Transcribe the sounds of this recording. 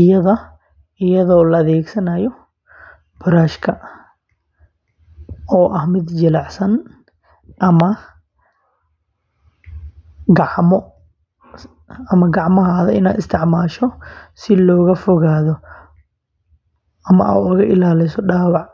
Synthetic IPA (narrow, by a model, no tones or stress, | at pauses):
ɪjɐðɐ | ɪjɐðɔːlɐːðɛːɡsɐnɐjɔ | b̥ʊɾaːʃkʰɐ | ɔːʔɐhmɪd̪d͡ʒɪlɑʕsɐn | ʔɐmɐ | ɡɑʕmɔ | ɐmɐɡɑʕmɐɦaːðɐʔɪ̰naːd̪ɪst̪ʰɪʕmaːʃɔsɪlɔːɣɐfʊɣaːðɔ | ɐmɐ̰ʔa̰ːʊɣɐʔɪlaːlɪsɔɖaːwɑʕ